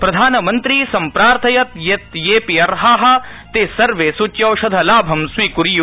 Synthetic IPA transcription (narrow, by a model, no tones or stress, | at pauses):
pɾɐd̪ʱaːnɐmɐnt̪ɾisɐmpɾaːɾt̪ʰɐjɐt̪jet̪jeːpiɐɾɦaːɦɐ̆t̪eːsɐɾʋeːsut͡ʃjɐwʃɐd̪ʱɐlaːbʱɐmsʋiːkuɾiju